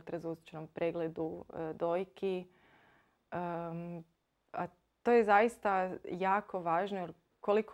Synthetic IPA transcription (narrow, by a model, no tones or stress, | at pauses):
t̪ɾazusi̥t͡ʃenompɾʔeːɡled̪ud̪ojkʰi | ə | a | t̪oːjezajist̪ajaːko̞ʋaːʒnojoɾ | kolik